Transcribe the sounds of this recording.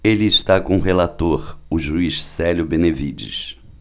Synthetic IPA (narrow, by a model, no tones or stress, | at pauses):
elɪːst̪akõʊɦelat̪oɾʊʒuiʃsɛljʊbenevid͡ʒḭs